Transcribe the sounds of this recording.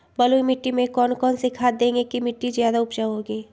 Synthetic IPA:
bɐloimɪʈːimẽkɔːnkɔːnsekʰaːt̪̚d̪ẽːŋɡekimɪʈːizjaːd̪aʊpd͡ʒaɦoːɡeː

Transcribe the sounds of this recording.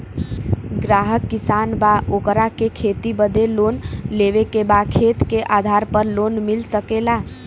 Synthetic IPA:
ɡɾaɦəkːisanbaʔokɾakekʰet̪ibəd̪elonleʋekebakʰet̪keʔad̪ʱaɾpəɾlonmilsəkela

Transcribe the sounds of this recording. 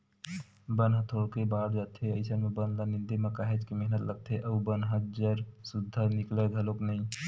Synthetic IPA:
bənɦət̪ʰokebaːd̪ɾət̪ʰeəɪsənmẽbənlanɪnd̪eməkaːɦed͡ʒkimeɦnət̪ləɡ̚t̪ʰeʔəubənɦəd͡ʒəɾsʊd̪ʱːanɪkləd̪ʱəloknəĩ

